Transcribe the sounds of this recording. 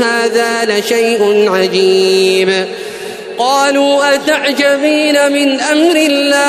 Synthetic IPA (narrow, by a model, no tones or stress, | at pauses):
haːðaːlaʃajʔʊnʕad͡ʒiːb | qɑːluːʔat̪aʕd͡ʒabiːnamɪnʔamɾɪlːaː